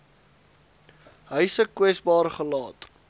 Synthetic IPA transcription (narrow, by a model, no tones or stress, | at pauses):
ɦəɥsəkwɛsbɑːrχəlɑːt